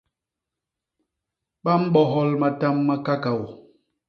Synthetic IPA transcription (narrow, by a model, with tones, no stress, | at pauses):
ɓa˦m̩˦ɓɔ˦ɦɔ˦lma˨ta˦mːa˦ka˦ka˨wo˨